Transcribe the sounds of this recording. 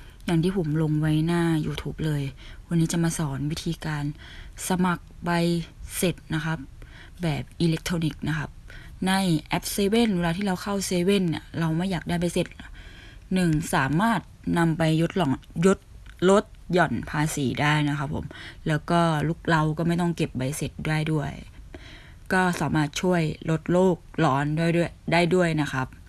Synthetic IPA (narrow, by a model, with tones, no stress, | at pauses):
jaː˨˩ŋt̪ʰiː˥˩pʰo˩˦mlo˧ŋwa˦˥jnaː˥˩juː˧t̪ʰuː˦˥p̚lɤː˧jkʰo˧nːiː˦˥t͡ɕa˨˩maː˧sɔː˩˦nwi˦˥t̪ʰiː˧kaː˧n | sa˧ma˨˩k̚ba˧jse˨˩t̪̚na˦˥kʰa˦˥p̚ | bɛː˨˩p̚ʔiː˧le˦˥k̚t̪ʰoː˧ni˦˩k̚na˦˥kʰa˦˥p̚na˧˥˩jʔɛ˦˥p̚seː˧we˥˨nwe˧laː˧t̪ʰiː˥˩ɾa˧wkʰa˥˩wseː˧we˥˩˨nːḭ˧˩ɾa˧wmaː˥˩jaː˨˩k̚daː˥˩jp̬a˧jse˨˩t̪̚ | nɯ˨˩ŋsaː˩˦maː˥˩t̪̚na˧mpa˧jːo˦˥t̪̚lɔː˩˦ŋjo˦˥t̪̚lo˦˥t̪̚jɔ˨˩npʰaː˧siː˩˦daː˥˩jna˦˥kʰa˦˥pʰːo̰˩˦mlɛː˦˥wkɔː˥˩luː˥˩k̚la˧wkɔː˥˩ma˥˩jt̪ɔ˥˩ŋke˨˩p̚wa˧jse˨˩t̪̚daː˥˩jdu˥˩əj | kɔː˥˩saː˩˦maː˥˩t̪̚t͡ɕʰu˥˩əjlo˦˥t̪̚loː˥˩k̚lɔː˨˦˥ndu˥˩əjdu˥˩əjdaː˥˩jdu˥˩əjna˦˥kʰa˦˥p̚